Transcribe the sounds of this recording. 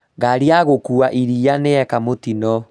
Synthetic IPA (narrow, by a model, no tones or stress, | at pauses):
ɡaɾiaɣokuaʔiɾianeɛkamotinɔ